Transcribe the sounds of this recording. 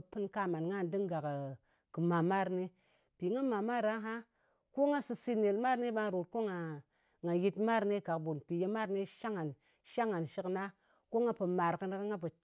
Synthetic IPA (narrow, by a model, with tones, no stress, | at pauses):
pɨ˦nka˦ma˨nŋa˦˨n˨di˦ŋɡa˨k | kɨ˨ma˨ma˦ɾni˦ | pi˨ŋa˦ma˨ma˦ɾa˦ɦa˦ | ko˦ŋa˦sɨ˧si˦ne˨lma˦ɾni˦ɓa˦˨ɾo˨t̚ko˦ŋa˨ | ŋa˨ji˦tma˦ɾne˦ɡa˨kbu˨npi˨je˦ma˦ɾne˦ʃa˦ŋa˨n | ʃa˦ŋa˨nʃi˦kna˦ | ko˦ŋa˦pə˨ma˨ɾkə˦n˦kŋa˦p̬ə˨